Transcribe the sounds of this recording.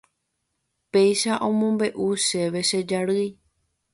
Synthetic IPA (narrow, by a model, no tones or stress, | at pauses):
pe̞jʃaʔõ̞mõ̞mbe̞ʔuʃe̞ʋe̞ʃed͡ʒaɾɨj